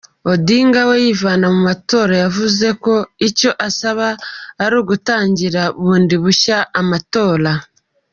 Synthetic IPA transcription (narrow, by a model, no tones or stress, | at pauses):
o̞diːŋɡawe̞jivaːnamumato̞ːɾajavuze̞ko̞ico̞ʔasaβaːɾuːɡutaːɲɟiɾaβuːndiβuʃaʔːmato̞ːɾa